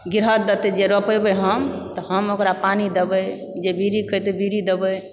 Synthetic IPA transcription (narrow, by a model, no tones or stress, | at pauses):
ɡiɾɦət̪̚d̪ət̪ed͡ʒeɾəpəjbeɦəmt̪ɔhəmokɾapanid̪ebə | d͡ʒebiɾikʰəjt̪ebiɾid̪ebə